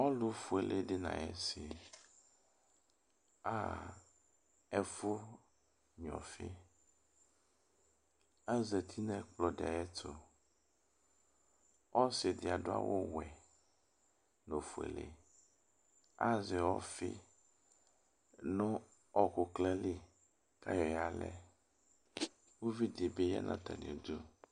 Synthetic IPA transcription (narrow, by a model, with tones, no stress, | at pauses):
ɔ˦lo˦fu˨e˨lʔe˦ɖe˦nã̰˨ɛ̰˦si˨ | a˦ | ɛ˦fo˦ | ɲɔ̰̃˨fḛ˦ | a˦ze˨t̪ʰi˦nɛ̃˦k͡plɔ˨de˨a̰˨ɛ˦t̪ʰo˦ | ɔ˦se˨d̪e˨a˨ɖo˦a̰˦wʔo˦wɛ˨ | no˨fu˨ḛ˨lḛ˨ | a˦zɛ˨wɔ˦fḛ˦ | nɔ̃˦ | ɔ˦ko˨klɛ˦li˦ | ka˦jɔ˨ja˨lɛ̰˦ | wo˦vi˦d̪e˨be˦ja̰˦nʔã̰˦t̪ɛ̰˨n˨ḛ˨d̪u˦